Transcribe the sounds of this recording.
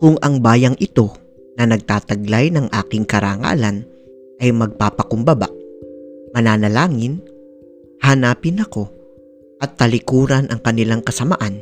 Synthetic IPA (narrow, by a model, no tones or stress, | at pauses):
kʊŋʔɐŋbaːjɐŋʔɪt̪o̞ | nɐnɐɡ̚t̪aːt̪ɐɡlajnɐŋʔa̰ːkɪŋkɐɾaːŋa̰ːlɐn | ʔɐjmɐɡ̚paːpɐkʊmbɐba̰ʔ | mɐnaːnɐlaːŋɪn | hɐnaːpɪnɐko̞ | ʔɐt̪ːɐlɪkuːɾɐnʔɐŋkɐnɪlaŋkɐsɐmaʔan